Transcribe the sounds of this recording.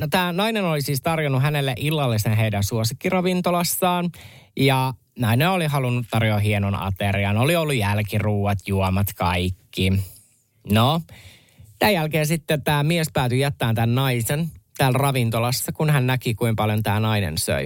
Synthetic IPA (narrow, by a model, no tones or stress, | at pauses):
not̪æːnɑinenolisiːst̪ɑrjonuɦænelːeʔilːɑlːisenɦeidænsuosikːirɑʋint̪olɑsːɑːn | jɑ | nɑineoliɦɑlunːut̪tɑrjoːɦienonɑ̰t̪eriɑnoliolːujælkiruːɑt̪juomɑt̪kɑ̰ikːi | no | t̪æjælkeːnsit̪ːet̪æːmiespæːt̪yjæt̪ːæːnt̪ænːɑisent̪æːlrɑʋint̪olɑsːɑkunɦænnækikuimpɑljo̞nt̪æːnɑinḛnsø̰i